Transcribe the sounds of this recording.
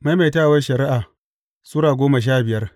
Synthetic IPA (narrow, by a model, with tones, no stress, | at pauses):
ma˦ma˨taː˦˨wɐ˦ʃɐ˨ɾɪ˦ʔaː˨ | suː˦ɽaː˨ɡʷoː˦ma˨ʃ̬aː˦bɪ˨jɐ˦r